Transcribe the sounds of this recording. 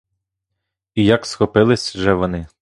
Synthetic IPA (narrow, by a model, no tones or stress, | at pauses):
ijɐksxɔpɪlˠɪsʲʒɛʋɔnɪ